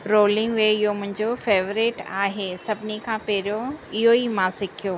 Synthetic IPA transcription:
ɾoːlɪ̃ŋɡʋeɪɦomʊ̃ɦɪ̃ɲd͡ʑofeːʋɾiʈa̰ːɦesɐbʱɪnikʰãːpeːɾijoɪɦoimãsɪkʰijoː

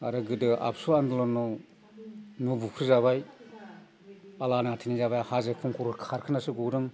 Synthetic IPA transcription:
aɾɯɡɯdɯʔa̰psuandɯlɔnɔw | nubukʰɾɯzaβaj | alanaatʰinizabajhazekʰuŋkʰuɾɯkʰaɾkʰɯnasɯɡuɾɯŋ

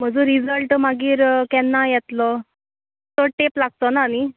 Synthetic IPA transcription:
m̤əd͡zũɾid͡zəlʈmaɡiːɾkɛnːajɛt̪lɔ | t̪oʈeplaɡ̚t̪ɔnaːni

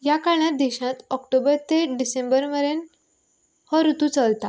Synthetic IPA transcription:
jakaɭɭat̪̚d̪eɕãt̪ɔkʈobəɾt̪eɖisembəɾməɾen | hɔɾut̪ũt͡səlt̪a

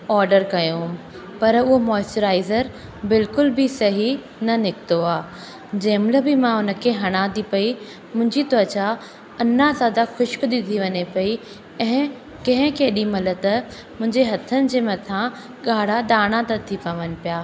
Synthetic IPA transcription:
ɔːɾɖəɾkɐjõ | pɐɾʊɦomɔːɪsʈəɾaːɪzəɾ | bɪlkʊlbɪsɐɦi | nɐnɪkt̪oaː | d͡ʑɐ̃ːmləbɪmãʊnə̆kʰeɦɐɽ̃ãd̪ipɐi | mʊ̃ɦɪ̃ɲd͡ʑit̪ot͡ɕa | ɐnazaːd̪axʊʃkd̪ɪt̪ʰiʋɐɲepɐi | ɛ̃ɦɪ̃ | kɐ̃ɦɪ̃keːɗimɐlət̪ɐ | mʊ̃ɦɪ̃ɲd͡ʑeɦɐt̪ʰənɪ̆d͡ʑeːmɐt̪ʰã | ɠaːɽ̤aɗ̪aːɽ̃ãt̪ɐt̪ʰipɐʋənɪ̆pijaː

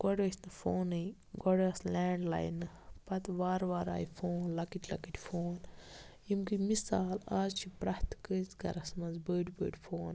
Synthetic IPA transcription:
ɡ̥ɔɖoːsnɨfoːnɨj | ɡɔɽɐːslʲaːɳɖla̰ːjnɨ | pɐt̪ʋaːɾʋaːɾa̰ːjfʰoːnlɐkiʈʰʲlɐ̰kiʈʲfʰoːnjimkɨmisaːlaːzt͡ʃʰipɾɐht̪kəːzɡɐ̰ɾɐsmɐnzbəːɖʲbə̰ːɖʲfʰoːn

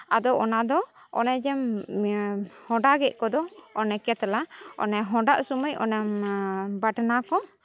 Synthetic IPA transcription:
ad̪ɔʔɔnad̪ɔ | ɔ̰nɛd͡ʒɛm | hɔ̃ɖaɡɛʔ̚kɔd̪ɔːnɛkɛt̪laɔ̰nɛɦɔ̃ɖaʔsuməjɔ̰nɛmbaʈnakɔ

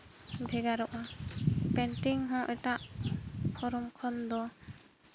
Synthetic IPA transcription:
bʱɛɡaɾɔʔapɛnʈiŋɦãʔɛtaʔpʰɔɾɔmkʰɔnd̪ɔ

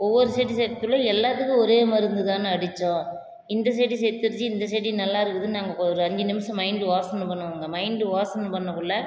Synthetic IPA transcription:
ɔʋːɔɾɯsɛːɽisɛjɾt̪ːɯɭʊ̃ɛlːaːt̪ɯkːɯ̃ɔɾeːmɐɾɯnd̪ɯt̪aːnɯɐɽɪt͡ʃːõ | ɪnd̪ɐs̬ɛɽisɛɾt̪ːɯɾt͡ʃːɯɪnd̪ɐs̬eɽinɐlːaːɪɾɯkːɯðɯnaːŋɡɐɔɾɯɐɲd͡ʒinɪmɐsɐ̃mɐɪɳɖɯʋaːsɐnːɯpɐɳːɯʋaːŋɡɐmɐɪɳɖɯʋaːsɐnːɯpɐɳːɐkːɯɭːɐ

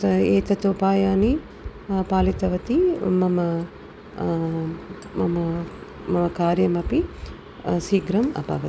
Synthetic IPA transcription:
eːt̪ɐt̪oːpaːjaːni | paːlit̪ɐʋɐt̪imɐmɐ | mɐmɐ | mɐmɐkaːɾjɐmɐpi | siːɡɾɐmɐ̰pa̰ːʋɐi

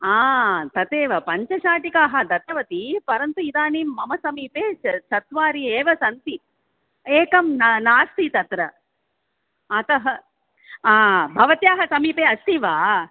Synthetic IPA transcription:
aːt̪ɐt̪eːʋɐpɐɲt͡ʃɐʃaːʈikaːɦɐd̪ɐt̪ːɐʋɐt̪ipɐɾɐnt̪uid̪aːniːmːɐmɐsɐmiːpeːsɐt̪ʋaːɾieːʋɐsɐnt̪i | eːkɐmnnaːst̪it̪ɐt̪ɾɐ | ɐt̪ɐɦɐ | aːbʱɐʋɐt̪jaːɦɐsɐmiːpeːɐst̪iʋaː

